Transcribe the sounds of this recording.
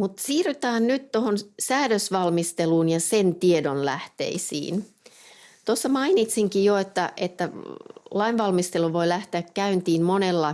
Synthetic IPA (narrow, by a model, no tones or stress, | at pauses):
mut̪siːryt̪ɑːnnyt̪tohonsæːdøsʋɑlmist̪eluːnjɑsent̪iedonlæht̪ḛisḭːn | t̪osːɑmɑinit̪siŋkijoet̪ːæʔet̪ːælɑinʋɑlmist̪eluʋo̞ilæht̪eækkæynt̪iːmmonelːɑ